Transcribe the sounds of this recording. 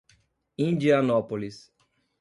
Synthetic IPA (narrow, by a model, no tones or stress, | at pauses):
ĩnd͡ʒianɔpolis